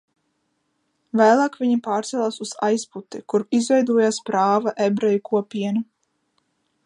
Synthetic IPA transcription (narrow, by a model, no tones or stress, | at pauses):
væːlˠaːkvʲiɲipaːɾt̪sɛlˠaːsuz̥a̰jsput̪ikuɾizvɛjd̪uɔjaːspɾaːvaʔebɾɛjukuɔpʲiɛnu